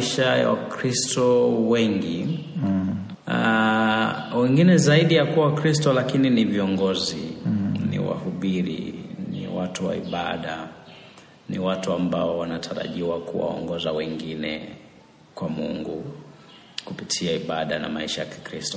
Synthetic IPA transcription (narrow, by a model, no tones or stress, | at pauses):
ʃaja̰akɾistɔwɛŋɡi | a | wɛŋɡinɛzaiɗijakuwakɾistɔlakininiviɔŋɡɔzinḭwa̰huɓiɾḭnḭwatuwa̰iɓaɗa | nḭwatuambaɔwanatʰaɾa̰ʄiwakuwa̰ɔ̰ŋɡɔzawɛŋɡinɛ̰ | kwamṵŋɡu | kupitʰiaiɓaɗana̰maiʃajaki̥kɾistɔ̥